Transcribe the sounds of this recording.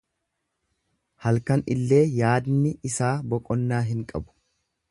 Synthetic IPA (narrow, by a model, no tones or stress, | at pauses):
hɐlkɐnɪlːe̞ːjaːd̪nɪɪsaːbɔkʼɔnːaːɦɪŋkʼɐbʊ̥